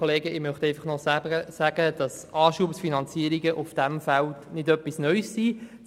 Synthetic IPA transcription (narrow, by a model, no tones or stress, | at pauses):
oleːɡəɪmœχtɛɪfɑχnɔəsæɡ̥əd̥ɑs | ʔɑːʃuəpsfinɑnt͡siəɾiɡəʔufd̥æmfæltnɪdœpːisnœʏsːiː